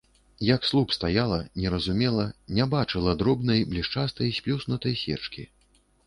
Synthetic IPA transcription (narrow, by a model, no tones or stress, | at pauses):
jɐkslˠupst̪ajalˠɐnʲɛɾɐzumʲɛlˠɐnʲɛbat͡ʂɨlˠɐd̪ɾɔbnɐjblʲiʂt͡ʂast̪ɐjsʲpʲlʲusnut̪ɐjsʲɛ̰t͡ʂkʲḭ